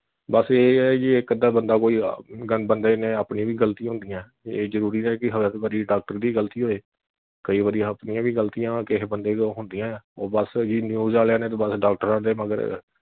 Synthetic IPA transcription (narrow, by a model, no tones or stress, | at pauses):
bəseːd͡ʒiːekːəd̪aːbənd̪aːkoːiːɡənbənd̪eːnẽːaːpnĩːʋiːɡəlt̪iɦʊ̃nd̪ijãː | eːzəɾuːɾiːnɛːkɪɦəʋɛːt̪ebaɾiːɖaːk̚ʈəɾd̪iːɡəlt̪iːɦoːeː | kəiːʋaːɾijãːəpnijãːʋiːɡəlt̪iãːkɪɦbənd̪eːd̪oɦʊnd̪ijãːɛːɔːɾbəsd͡ʒiːnjuːzaːleaːneːt̪õːbəsɖaːk̚ʈəɾãːd̪eːməɡə̰ɾ